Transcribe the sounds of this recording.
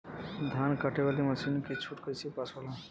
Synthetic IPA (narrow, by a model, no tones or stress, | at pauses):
d̪ʱaːnkəʈeʋaːlimɐsʰinket͡ʃʰuʈkəjsepasolãː